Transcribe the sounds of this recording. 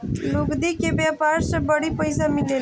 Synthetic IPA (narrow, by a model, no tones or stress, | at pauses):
luɡd̪ikebjaːpaːɾsebəɽipəjsamile